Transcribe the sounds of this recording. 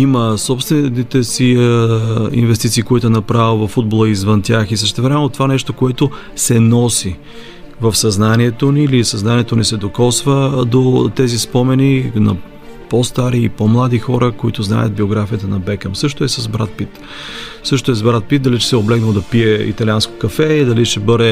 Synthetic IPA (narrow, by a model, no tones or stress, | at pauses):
iməsɔpst̪vɛnit̪ɛsi | ḭnvɛst̪it̪siːkoit̪ʊɛnɐpɾavilˠvɐfːud̪̚bolˠəizvənt̪ʲjaxisəʃt̪ɛvɾɛmɛnot̪ovanɛʃt̪okoɛt̪o | sɛnɔsi | vəfsɐznaniɛt̪onilisɐznaniɛt̪onisɛd̪okɔsvəd̪ot̪ɛzispɔmɛninɐ̰ | post̪aɾiːpɔmlˠad̪ixɔɾəkoḭt̪ʊzna̰jət̪̚bioɡɾafijət̪ənɐbɛkəmsɤʃt̪oɛsɐzbɾat̪̚pit̪ | sɤʃt̪oɛzbɾat̪̚pit̪̚d̪ɐlit͡ʃɛ̥sɛoblɛɡnəd̪ɐpiɛḭt̪ɐliansko̥kɐfɛd̪ɐliʃɛbɤd̪ɛ